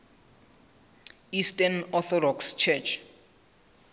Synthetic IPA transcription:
istanɔθɔdɔkst͡ʃʰɛt͡ʃʰ

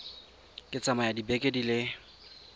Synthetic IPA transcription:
kʼɪt͡sʼamajadibekʼedilɪ

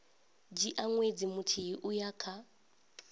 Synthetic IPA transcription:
d͡ʒiʔaŋwed͡zimutʰiiʔujakʰa

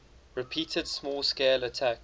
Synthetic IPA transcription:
ɹɪpʰiːˑtʰəd̥smɔːlˠskeɪlətʰæk

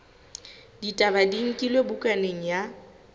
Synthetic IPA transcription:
ditʼabadiŋ̩kʼilwebʊkʼaneŋ̩ja

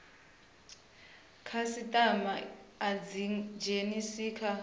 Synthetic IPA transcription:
kʰasitʼamaːd͡zid͡ʒenisiːkʰa

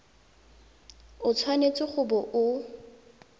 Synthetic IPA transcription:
ʊt͡sʰwanet͡sʼɪχʊbɔʔʊ

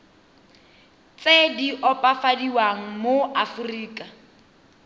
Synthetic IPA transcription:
t͡sediʔɔpʼafadiwaŋ̩moafuriːkʼa

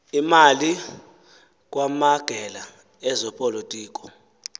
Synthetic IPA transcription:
imali | k̬ʼwamaɡ̥ʱɛla | ɛzɔpʼɔlotʼiːk̬ʼɔ

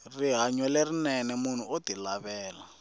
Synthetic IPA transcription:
riɦaɲwɔlerinɛnɛmun̤uotilaβɛːla

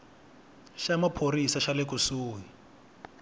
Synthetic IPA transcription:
ʃamapʰoɾisaʃalɪkusuːɦi

